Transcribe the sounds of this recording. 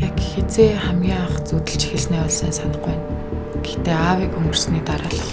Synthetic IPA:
jakxet͡seːχæmɡʲiːɴaχt͡suːt̪ɘ̆ɬt͡ɕʰi̥xɘ̆ɮsneːɔɮsaːsanə̆χæːn | ɡ̥ext̪eːaːwiːkɵmɵ̆r̥sniːt̪aɾaːɮə̆χ

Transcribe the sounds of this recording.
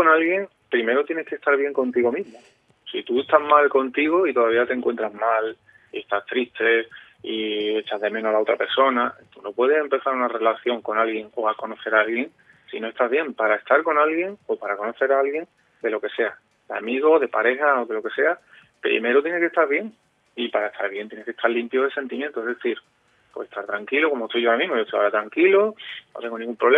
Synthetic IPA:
konalɣje̞ŋ | pɾime̞ɾot̪jenehke̞st̪aɾβ̞je̞ŋko̞nt̪iɣo̞mĩɦmo | sit̪ue̞st̪azmalko̞nt̪iɣ̞o̞it̪o̞ðaβ̞iat̪eŋkwe̞nt̪ɾazmal | iest̪ast̪ɾiht̪e̞ | ie̞t͡ʃaɦðe̞mẽ̞noalao̞t̪ɾape̞ɾso̞nat̪uno̞pwe̞ð̞e̞se̞mpe̞θaɾunare̞laθjo̞ŋko̞nalɣje̞ŋo̞ako̞no̞θe̞ɾalɣje̞ŋ | sino̞est̪aβje̞mpaɾae̞st̪aɾko̞nalɣje̞ŋo̞paɾako̞no̞θe̞ɾaalɣje̞ŋ | d̪e̞lo̞ke̞se̞a | d̪a̰miɣ̞o̞ðe̞paɾe̞haoðelo̞ke̞se̞a | pɾḭme̞ɾot̪je̞ne̞ke̞st̪aɾβje̞ŋ | ipaɾaet̪ʰa̰ɾβ̞je̞nt̪jeneket̪ʰaɾlimpjoðese̞nt̪imjẽnt̪oeɦðeθiɾ | pweset̪ʰaɾt̪ɾaŋkiloko̞most̪ojʝoaɾamĩɦmoʝot̪ojaoɾat̪ɾaŋkilonot̪e̞ŋɡoiŋɡumpɾole

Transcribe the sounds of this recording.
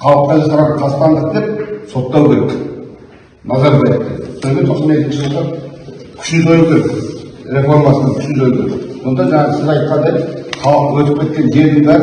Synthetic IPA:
qʰɑlˠəpqːɑʒɑsɑɾʁɑqʰɑst̪ɑnd̪əq̚d̪e̞p̚so̞t̪ːɑwkʲʰe̞ɾek | nɑzɑɾbɑjət̚d̪ḛd̪solmʲeosəmet̪ɪnʃɪbolˠʁɑ | kʲʰʏ̥ʃnɪzojəpkʲʰe̞ɾek | ɾe̞flˠoɾmɑsənɑkʲʰʏ̥ʃnɪzojkʲʰeɾḛkso̞nd̪ɑʒɑɴɑʁəsɪzɑjt̪̚qɑnd̪ep̪χɑlˠəqwɵt̪ɪp̚kʲe̞t̪̚kʲe̞nʒe̞ɾd̪ɪŋbæɾ

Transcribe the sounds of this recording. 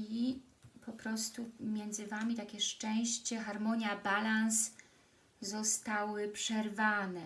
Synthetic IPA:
i | pɔpɾɔst̪umʲjɛnd̪zɘvamʲit̪akʲɛʂt͡ʂɛ̃w̃ɕt͡ɕɛxaɾmɔɲjabalans | zɔst̪awɘpʂɛɾvanɛ

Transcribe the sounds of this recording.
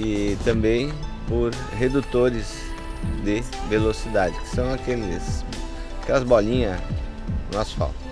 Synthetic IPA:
ɪt̪ɐ̃mbẽj̃poɾ | ɦed̪ut̪oɾɪz | d̪ɪvelosid̪ad͡ʒɪkɪ̥sɐ̃w̃akemezmʊkɛlɐzbɔlĩɲɐ̃ | ɔsfa̰wt̪ɐ̥

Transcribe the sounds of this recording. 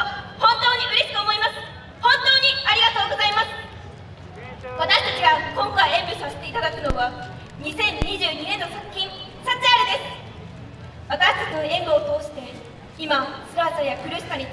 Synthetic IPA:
hõ̞nt̪o̞ːɲ̟ikɯ̟ɾeɕi̥k̪ooːmo̞imasɨ̥ | hõ̞nt̪o̞ːɲ̟iaɾʲiɡat̪o̞ːɡo̞zaimasɨ̥ | βat̪aɕi̥t̪at͡ɕiɡakõ̞ŋkajẽ̞mbɯ̟saset̪e̞it̪ad̪akɯ̟no̞βa | ɲ̟isẽ̞ɲ̟ɲiʑɨːɲ̟inẽ̞nːosakɯ̟̥kʲːĩŋsat͡saɾid̪e̞sɨ̥ | βat̪aɕi̥t̪at͡ɕinoẽ̞mbɯ̟ot̪o̞ːɕi̥t̪e̞ | imasɨ̥t̪aːt̪ojakɯ̟ɾɯ̟ɕi̥kaɲʲi

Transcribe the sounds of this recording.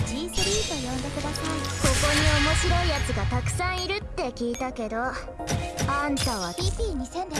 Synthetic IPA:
isɾʲit̪ojõnd̪e̞kɯ̟d̪asaiko̞ko̞ɲ̟io̞mo̞ɕiɾo̞ijat͡sɨɡat̪akɯ̟̥sãɰ̃iɾɯ̟t̪ːe̞kʲiːt̪ake̞d̪o̞ | ãnt̪aβ̞aipʲiːɲ̟isẽn

